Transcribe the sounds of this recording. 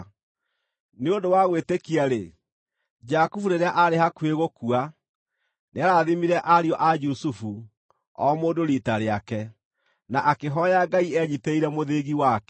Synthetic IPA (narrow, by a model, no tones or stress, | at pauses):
neondowaɣwetekiaɾe | d͡ʒakufuɾeɾeaʔaɾehakweɣokua | neaɾaðimiɾɛʔaɾiɔʔad͡ʒusufu | ɔ̰moːdoɾitaɾeakɛ | naʔakeɦɔjaɡaiɛɲiteiɾɛmoðeɣiwakɛ